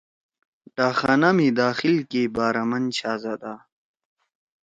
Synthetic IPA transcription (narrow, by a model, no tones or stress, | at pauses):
ʈaːxanamid̪aːxilkebaːɾɐmɐnt͡ɕʰaːzad̪a